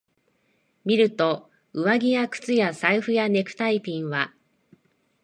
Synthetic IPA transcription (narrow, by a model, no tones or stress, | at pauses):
mʲiɾɯ̟t̪o̞ | ɯ̟βaɡʲijakɯ̟̥t͡sɨjasaiɸɯ̟jane̞kɯ̟̥t̪aipʲĩɰ̃βa